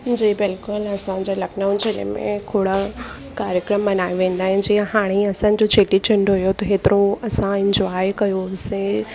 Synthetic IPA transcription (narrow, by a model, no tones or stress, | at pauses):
d͡ʑiːbɪlkʊlɐsãd͡ʑeːlɐknaʊ̃t͡ɕelḛmḛ̃kʰoːɽə | kaːɾjəkɾəmbɐnaːjiʋẽːnd̪aːɦɪ̃nd͡ʑiːə̃haːɽ̃iɐsãːn̆d͡ʑot͡ɕʰeːʈit͡ɕɪ̃ɳɖɦʊjot̪ɐɦeːt̪ɪɾoɐsãɪ̃ɲd͡ʑwaːjkɐjosẽ